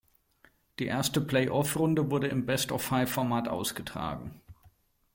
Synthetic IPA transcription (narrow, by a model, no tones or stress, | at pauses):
d̥iːʔeːɐstəpl̥ɛɪʔɔfʁʊndəvʊɐɾəɪmbɛstɔfhaɪfɔɐmaːtʔa̰ʊsɡ̥ətʁ̥a̰ːɡŋ̩